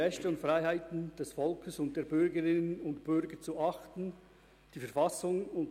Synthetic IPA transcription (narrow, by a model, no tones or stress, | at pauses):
ɛçtɛʊntfʁaɪɦaɪtn̩d̥ɛsfɔlkʰəsʊnt̚d̥eːɐbʏɾɡəɾɪnənnʊntb̥ʏɾɡət͡suʔɑxtn̩ | d̥iːfɛɐfasʊŋʊnt